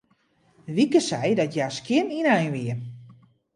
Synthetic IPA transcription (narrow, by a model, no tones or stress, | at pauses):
ʋikəsɛjdɔtjaskjɪninɛjnʋiə